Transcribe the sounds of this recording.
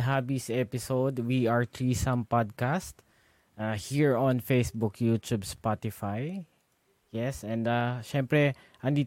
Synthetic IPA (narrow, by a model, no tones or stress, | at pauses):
ɦabisɛpɪsowd̪wiaɹt̪ɹisãmpad̪̚kast̪ | ahiɹɔ̃nfejsbʊkʰjut̪ubspat̪ɪfaj | jɛsɛ̃nd̪aʃɛ̃mpɾɛ | ʔɐ̃nd̪iː